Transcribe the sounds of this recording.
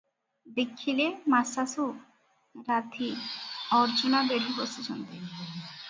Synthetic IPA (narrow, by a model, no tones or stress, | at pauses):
d̪ekʰːilemasasu | ɾat̪ʰiɔɾd͡ʒunabeɖʱiposit͡ʃont̪e